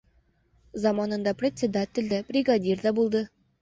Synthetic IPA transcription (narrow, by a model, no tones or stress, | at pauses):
zɑmɑnɤ̆nd̪ɑprʲetʲt͡sʲed̪atʲɪ̆lʲd̪æb̥rʲiɡɑdʲird̪ɑbulˠd̪ɤ